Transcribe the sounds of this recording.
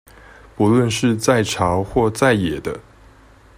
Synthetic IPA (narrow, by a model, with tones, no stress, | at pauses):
pu˧˦˥lwə˥˧nʂɻ̩˥˧t͡sa˥˩ɪʈ͡ʂʰɑ˧˥ʊxwɔ˥˧t͡sa˥˩ɪjɛ˨˩d̪ə˦